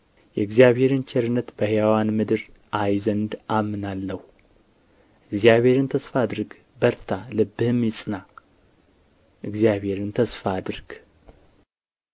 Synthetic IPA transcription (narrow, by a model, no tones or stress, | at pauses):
jɛɨɡzijaβhe̞ɾɨnt͡ʃʰɛɾɨnːət̪bəhjawanmɨd̪ɨɾ | ʔajzənd̪ʔamːɨnalːəhu | ʔɨɡzjaβhe̞ɾɨnt̪ʰəsfad̪ɾɡ | bəɾt̪ʰalɨbːɨhɨmjɪsʼɨna | ʔɨɡzijaβhe̞ɾɨnt̪ʰəsfad̪ɨɾɡ̥